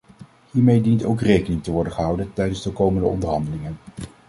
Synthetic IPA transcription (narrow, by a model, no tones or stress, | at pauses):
hiːɹmejdintowkrejkənɪŋtəʋɔɹdənχəɦʌwdəntɛjdənzdəkowməndəɔ̰ndəɹɦɑndəlɪŋən